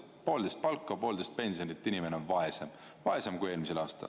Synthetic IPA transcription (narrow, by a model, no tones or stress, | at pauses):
po̞ːld̪̥e̞jst̪̚pɑlkːˑɑpo̞ːld̪e̞st̪̚pe̞nʲsionit̪ːˑinʲime̞neonvɑesem | vɑe̞semkuje̞ːlmis̬e̞lɑːst̪ɑ̰l